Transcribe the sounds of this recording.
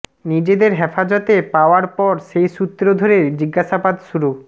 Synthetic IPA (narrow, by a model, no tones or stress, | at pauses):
nid͡ʑed̪eɾɦefad͡ʑot̪epaoaɾpɔɾʃejʃut̪ːɾod̪ʱoɾeɾd͡ʑiɡaʃabad̪ʃuɾu